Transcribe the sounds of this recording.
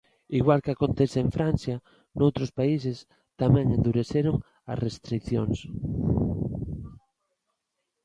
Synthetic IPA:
iɣwalkakont̪esɪeɱfɾan̟θja | nowt̪ɾospaises | t̪amɛ̃ŋend̪uɾeθeɾoŋ | ɐ̰srest̪ɾikθjoŋs

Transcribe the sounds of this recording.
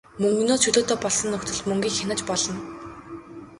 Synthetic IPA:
mɵŋɡnoːsʃɵɮoːt̪eːpɔɮsɞ̆nːɵkt̪ʰɵ̆ɮt̪mɵŋɡʲiːkxʲanə̆t͡ɕpɔɮɞ̆n

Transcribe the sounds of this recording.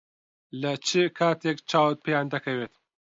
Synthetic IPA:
lɐt͡ʃikʰaːt̪ekt͡ʃaːwt̪̚pjand̪ɐkɐwet̪

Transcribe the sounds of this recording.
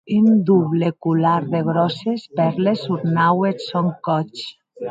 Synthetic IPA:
ind̪uβlekulaɾðeɣ̞ɾɔsespɛɾlesuɾnawesoŋkɔt͡ʃ

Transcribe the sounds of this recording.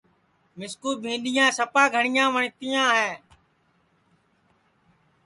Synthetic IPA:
mɪskuːbʱĩːɗɪjãːsəpaːɡʱəɳɪjãːʋəɳt̪ɪjãːɦɛː

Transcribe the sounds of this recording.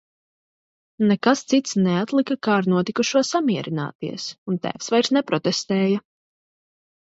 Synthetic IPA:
nɛkast̪sit̪snɛat̪lˠikakaːɾnuɔt̪ikuʃuɔsamiɛɾina̰ːt̪iɛsunt̪æ̰ːfsvajɾsnɛpɾɔt̪ɛst̪ɛːja

